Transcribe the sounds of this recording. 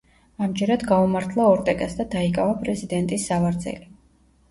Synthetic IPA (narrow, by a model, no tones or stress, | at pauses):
amd͡ʒɛɾad̪ɡaumaɾt̪ʰlˠaɔɾt̪ʼɛkʼasd̪ad̪aikʼavapʼɾɛzid̪ɛnt̪ʼisːavaɾd̪zɛ̰li